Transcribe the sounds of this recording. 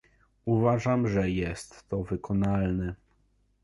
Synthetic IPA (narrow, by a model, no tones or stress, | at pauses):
uvaʐamʐɛjɛst̪ːɔvɘkɔnalnɛ